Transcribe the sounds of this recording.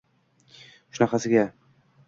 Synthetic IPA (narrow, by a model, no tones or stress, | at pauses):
ʃʊnafasɪɡʲa